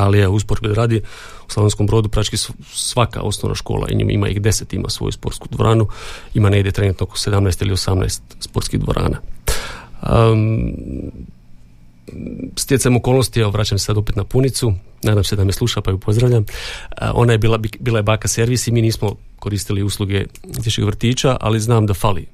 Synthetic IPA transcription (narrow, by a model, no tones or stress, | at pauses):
alieuspoɾkid̪ɾaːd̪i | u̥slaonskombɾo̞ːd̪upɾat͡ʃkis | sʋaka̰o̞̰sno̞̰ʋna̰ʃko̰ːlˠa̰ḭɲḭmḭma̰ixd̪e̞se̞t̪ima̰sʋo̰juspo̞̰ɾt̪skud̪ʋoɾʔaːnuimaneɡd̪ʲje̞t̪ɾe̞nuːt̪nooko̥se̞d̪amnajst̪ilio̞samna̰jst̪spo̞ɾt̪kiɣd̪ʋoɾʔa̰ːna̰ | st̪jesemo̞kolnost̪iɛʋoʋɾaːt͡ɕamsesad̪o̞pet̪napunit̪su | naːd̪amse̞d̪amjeslˠuʃapaiupʰo̞zd̪ɾaʋʎamə̰o̞̰najebiːlabiːlajebaːkase̞ɾʋisimiːniːsmo | ko̞ɾiːst̪iliuslˠuɡe | t̪eʃixʋr̩t̪iːt͡ʃaʔa̰liznaːmd̪afalḭ